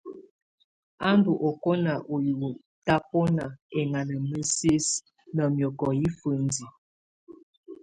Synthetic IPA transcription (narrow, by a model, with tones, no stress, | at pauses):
a˦ndu˨ʔo˨ko˦na˨ʔo˨ju˨u˨ | ta˦po˦na˨e˨ŋa˨nə˨mə˦si˦s | nə˨mjɔ˨kɔ˨ji˦fə˨n˦di˨